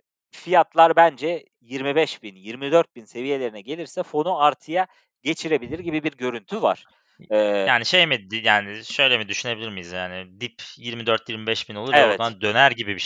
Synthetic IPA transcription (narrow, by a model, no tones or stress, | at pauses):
fijat̪lˠaɾbænd͡ʒɛ | jiɾmibɛʃbinjiɾmid̪øɾt̪̚binse̞vije̞lʲe̞ɾinɛɟe̞lʲiɾsɛfo̞nuaɾt̪ʰɯja | ɟe̞t͡ʃʰiɾe̞bilʲiɾɟibibiɾɟø̞ɾynt̪ʰyva̰ɾ̥ | ɛːjaːniʃejmid̪jaːniʃø̞jlʲemid̪yʃyne̞bilʲiɾmijizjaːnid̪ipjiɾmid̪øɾt̪ʰjiɾmibɛʃbinolˠuɾɛvoɛd̪and̪ø̞næɾɟibibiʃ